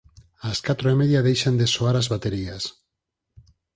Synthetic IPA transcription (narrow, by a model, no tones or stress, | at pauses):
askat̪ɾoemeðjaðejʃand̪esoaɾazβat̪eɾias